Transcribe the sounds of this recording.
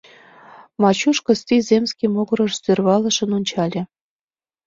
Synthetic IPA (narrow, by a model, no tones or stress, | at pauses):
mɑt͡ɕuʃkɤ̆st̪izʲemskʲimoɣɤɾɤ̆ʃsørβɑlə̆ʃə̆nonʲt͡ɕɑlʲĕ